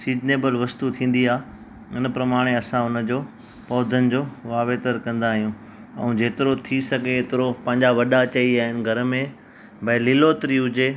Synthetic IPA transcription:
siːd͡ʑneːbəlʋɐst̪ut̪ʰĩːn̆d̪iaː | ɪnəpɾɐmaːɽ̃eɐsãʊnə̆d͡ʑoː | pɔːd̪ʱənɪ̆d͡ʑoːʋaːʋeːt̪əɾkɐ̃nd̪aːɦijũ | ɛ̰̃ũd͡ʑeːt̪ɪɾot̪ʰisɐɡʱeːt̪ɪɾopɐ̃ɦɪ̃ɲd͡ʑaʋɐɗat͡ɕɐiaːɦɪnɪ̆ɡʱɐɾəmẽ | bɐlɪlot̪ɾiɦʊd͡ʑe

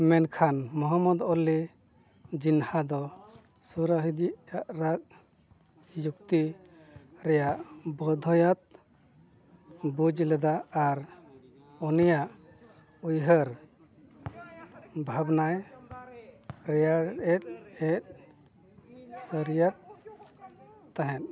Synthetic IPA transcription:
mɛnkʰanmɔɦɔmɔd̪ɔli | d͡ʒinhad̪ɔ | suɾaɦid̪iʔjaʔɾak̚ | juk̚t̪i | ɾɛjaʔbɔd̪ʱɔjat̪̚ | bud͡ʒlɛd̪aːɾ | ɔnijaʔ | ujɦəɾ | bʱabnaj | ɾɛjaɛt̪̚ɛt̪̚ | səɾijat̪̚ | aɦɛ̃t̪̚

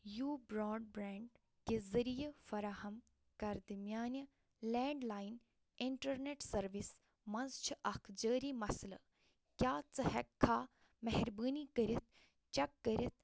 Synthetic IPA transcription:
juːbɾoːɖbɾaːɳɖ | kezɐɾijefɐɾahɐm | kɐɾd̪ɐmʲjaːnɐ | leːɳɖlaːjn | iɳʈɐɾneːʈsɐɾʋis | mɐnzt͡ʃʰiʔɐkʰd͡ʒəːɾiːmɐslɐ̰ | kʲjaːt͡sɐhɐkʰːaː | mɐɦɾbəːnikəɾit̪̚ʰ | t͡ʃɐkːəɾʲɐt̪̚ʰ

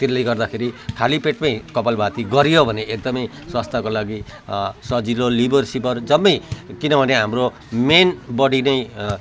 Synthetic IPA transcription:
t̪iajɡʌrd̪akʰeɾikʰalipeʈmaj̃kʌpalbʱat̪iɡʌɾjobʱʌneʔek̚d̪ʌmʌj | swast̪ʰakolaɡisʌd͡zilolibʌrsipʌrd͡zʌmːʌjkinʌbʱʌneɦamro | menbʌɽinʌj

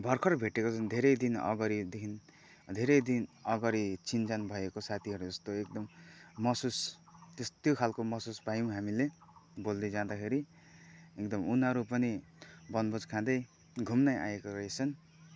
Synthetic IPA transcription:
bʱʌrkʰʌrbʱeʈekot͡sʰʌnd̪ʱeɾʌjd̪inʌ̰ɡʌɾid̪ekʰin | d̪ʱeɾʌjd̪inʌɡʌɾit͡sint͡sanbʱʌekosat̪ʰiɦʌɾud͡zʌst̪oek̚d̪ʌmːʌsust̪est̪jokʰalkomʌsusbajũw̃ɦamilebold̪ed͡zãd̪akʰeɾi | ek̚d̪ʌmunʌɾupʌnibʌnbʌd͡zkʰãd̪ʌj | ɡʱumnaja̰ekoʌisʰʌn

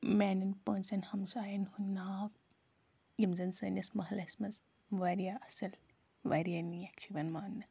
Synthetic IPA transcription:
mɛːnɐnpəːnsɐnhɐmsaːjɐnhunːaː | jimzɐnsɐnʲɐsmɐɦlɐsmɐz | ʋɐɾijaɐsɐl | ʋɐ̰ɾijanijɐkt͡ʃʰiʋɐnmaːnːɐ

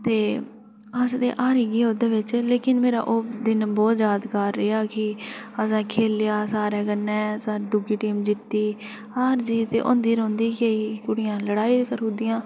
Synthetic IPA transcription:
t̪eː | əsd̪ḛːʔaːɾiːɡeːoːd̪eːʋɪt͡ʃleːkɪnmeːɾa̰ːʔoːd̪ɪnbɔːt̪zjaːd̪kəɾːeːaːkɪəsɛ̃ːkʰeːlɪjaːsaːɾɛːkənːɛːsaːɾiːɖʊɡiːʈiːmd͡ʒɪt̪ːiː | aːɾd͡ʒiːt̪ḛːʔõ̰ːnd̪iːɾõːnd̪iːkeiːkʊɽɪjãːləɽaːiːkəɾũːnd̪ɪjãː

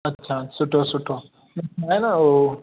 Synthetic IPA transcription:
ɐtːʃʰaːsʊʈʰosʊʈʰo | mɪtʰaːenaoː

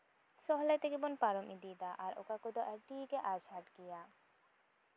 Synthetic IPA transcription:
sɔɦlat̪ekebonpaɾomʔid̪id̪aʔaɾo̰kakod̪oʔɛɾʈikeʔaʃɦaʈɡija

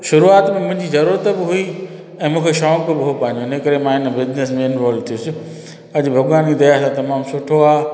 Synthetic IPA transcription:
ʃʊɾuaːt̪mẽmʊ̃ɦɪ̃ɲd͡ʑizɐɾuːɾət̪bɪɦʊi | ɛ̃ːmũːkʰeʃɔːkɪbɪɦopãːɪ̃ɲd͡ʑoɪnẽkɐɾemãɪnə̆bɪznesmẽɪnʋaːlʋt̪ʰijusɪ | ɐd͡ʑbʱɐɡʋaːnid̪ɐjasãt̪ɐmaːmsʊʈʰoaː

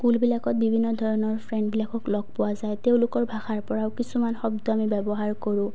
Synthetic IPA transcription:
kulbilakɔt̚bibʱinːɔdʱɔɹɔnɔɹpʰɹɛɳɖbilakɔklɔɡ̚pʊwazajteʊ̃lʊkɔɹbʱaxaɹpɔɹaʊkisumanxɔbdɔamibɛbɔɦaɹkoɹʊ̃

